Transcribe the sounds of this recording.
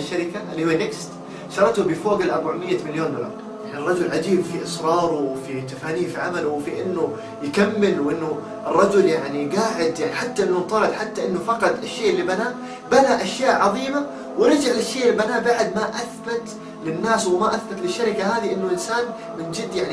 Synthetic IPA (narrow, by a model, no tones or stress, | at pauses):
ʃːaɾɪkaʔɪlːihuːanɪkst̪ | ʃɑɾˤɑt̪ʊbɪfoːɡɪlʔɑɾˤbaʕmɪjːamɪljoːnd̪ʊlɑ̰ɾˤ | janɪrˤːɑd͡ʒʊlʕad͡ʒiːbfiʔɨsɾˤɑːɾˤʊwfit̪afaniːfiʕamalʊwfiʔɪnːʊ | jkamːɪlwʔɪnːʊ | ʔɪrˤːɑd͡ʒʊljaʕniɡaːʕɪd̪jaʕniħat̪ːaʔɪnːʊnt̪ˤɑːɾɑd̪ħat̪ːaʔɪnːʊfɑqɑt̪ˤɪʃːeːʔɪlːibanaː | banaʔaʃjaːʔʕɑðˤiːma | wɪɾɪd͡ʒaʕlaʃːeːʔɪlːibanaːbaʕd̪maʔaθbat̪ | lɪnːaːswɪmaʔaθbat̪lɪʃːaɾɪkaɦaːðiʔɪnːʊʔɪnsaːn | mɪnd͡ʒɪd̪ːjaʕn